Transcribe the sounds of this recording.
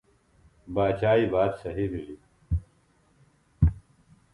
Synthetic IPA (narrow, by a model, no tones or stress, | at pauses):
baːt͡ɕaːiːbaːd̪sɐɦimili